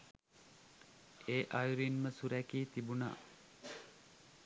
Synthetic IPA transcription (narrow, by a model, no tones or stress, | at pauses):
eːʔajuɾinməsuɾækiːt̪ibuna̰ː